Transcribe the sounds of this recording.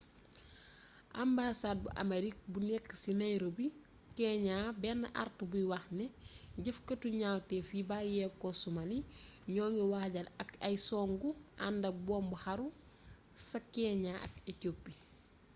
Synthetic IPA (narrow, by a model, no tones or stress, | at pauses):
ʔambaːsaːd̚buʔa̰meɾik̚bunɛkːsinɐjɾobi | kɛːɲaːbɛnːɐʔa̰rtubujwɐxnɛɟɐfkɐtuɲaːwtɛfibaːjɛkosumaniɲɔːŋɡiwahɟalɐkɐjsɔːŋɡua̰ndɐk̚bɔːmbuhaɾu | sɐkɛːɲaʔɐ̰kecopːi